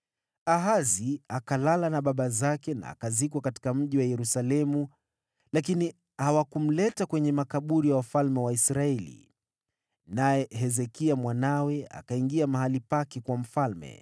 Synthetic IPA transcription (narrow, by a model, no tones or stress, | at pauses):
aɦaziakalalanaɓaɓazakɛna̰ːkazikwakati̥kam̩ʄiwajɛɾusalɛmu | lakini | hawakum̩lɛtakwɛɲɛmakaɓuɾijawafalmɛwaisɾaɛlḭ | najɛɦɛzɛkiamwanawɛa̰kaiŋɡiamaɦalipakɛkwam̩falmɛ̰